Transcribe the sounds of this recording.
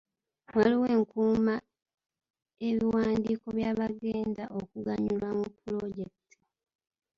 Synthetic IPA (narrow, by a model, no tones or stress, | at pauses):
waliwe̞ːŋkuːma | e̞βiwaːndiːko̞βjaːβaɡe̞ːndaʔo̞kuɡaɲulwamupːulo̞ɟe̞kti̥